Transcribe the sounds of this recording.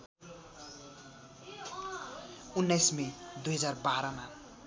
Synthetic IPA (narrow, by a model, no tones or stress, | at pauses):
unːajsmed̪ujɦʌd͡zarbaɾʌma